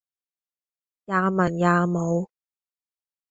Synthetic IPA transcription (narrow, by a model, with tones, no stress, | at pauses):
jaː˨˧mɐ˨˩njaː˨˧mo˨˧w